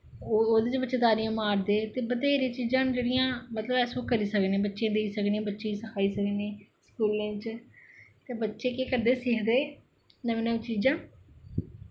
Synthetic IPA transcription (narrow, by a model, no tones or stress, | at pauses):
ooːd̪eːt͡ʃbətːʃeːd̪aːɾijãːmaːɾd̪eːt̪eːbət̪eːɾẽːt͡ʃiːd͡ʒãːd͡ʒeːɽijãːmət̪ləbɛːsõːkəɾiːsəknẽːbətːʃẽːd̪eiːsəknẽːbətːʃẽːt͡ʃsəkʰaːiːsəknẽːskuːlẽːt͡ʃ | t̪eːbətːʃeːkeːkəɾd̪eːsɪːkʰd̪eː | nəʋenẽːt͡ʃiːd͡ʒãː